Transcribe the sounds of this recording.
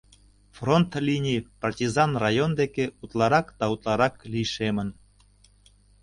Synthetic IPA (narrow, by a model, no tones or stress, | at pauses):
front̪lʲinʲipɑrtʲizɑnrɑjond̪ekeut̪lˠɑɾɑkd̪ɑut̪lˠɑɾɑklʲiʃemə̆n